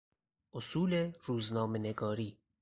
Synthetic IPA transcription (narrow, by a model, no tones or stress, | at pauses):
osuːleruːznɑːmeneɡɔːɾi